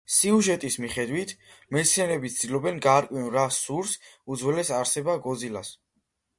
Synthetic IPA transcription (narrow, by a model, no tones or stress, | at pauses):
siuʒɛt̪ʼismiχɛd̪wit̪ʰmɛt̪sʰianɛbit̪sʰd̪̥ilɔbɛnɡaːɾkʼwinɾasuɾsud̪zwɛlɛsaɾsɛbaɡɔd̪zilas